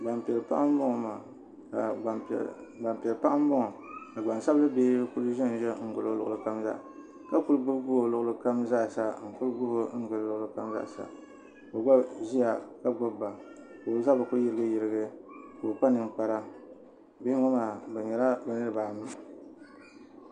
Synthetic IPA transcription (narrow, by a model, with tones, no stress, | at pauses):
ba˨mpɛ˨lpa˦ʔa˦m˦bʊ˦ŋɔ˨ma˨ | ka˨ba˨mpɛ˨lpa˦ʔa˦m˦bʊ˦ŋɔ˨ka˨ɡ͡ba˨nsa˦blɨ˦beː˦ku˦lʒɪ˦n˨ʒɛ˦ŋ̩˦ɡʊ˨lo˦lʊ˨ʔʊ˨lɨ˨ka˦mza̰˦ʔ | ka˦ku˦lɡ͡bu˦bbʊ˦ho˨lʊ˨ʔʊ˨˦lɨ˦ka˦mza˦˨sa˦ŋ̩˨ku˦lɡʊ˦ho˦n̩˦ɡɨ˨llʊ˨ʔʊ˨lɨ˦ka˦mza̰˦˨sa̰˨ | ko˨ɡ͡ba˦bʒi˦a˨ka˦ɡ͡bʊ˦bːa˨ | ko˨˦za˦ba˨ku˦ɾjɪ˦ɾɨ˦ɡɨ˦jɪ˨ɾɨ˦ɡɨ˦ko˨pa˦nɨ˦ŋ˦k͡pa˨ɾa˦ | be˦ŋɔ˦maː˨bɛ˨ɲɛ˨la˦bɛ˨nɨ˦ɾɨ˦˨baː˨mɨ˦ŋ˨